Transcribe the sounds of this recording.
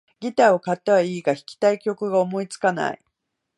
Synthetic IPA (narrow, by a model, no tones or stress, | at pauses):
ɡʲit̪aːo̞kat̪ːeβaiːɡaçi̥kʲi̥t̪aikʲo̞kɯ̟ɡaomo̞it͡sɨ̥kana̰ḭ